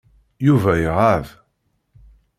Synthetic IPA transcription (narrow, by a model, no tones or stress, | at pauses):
juvæjʁav